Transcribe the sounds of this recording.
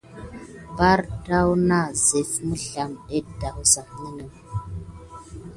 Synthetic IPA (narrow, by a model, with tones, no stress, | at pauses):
ba˦ɾta˦wna˦˨ze˨fmu˦ɬa˨me˦da˨hu˦sa˨ni˦nə˨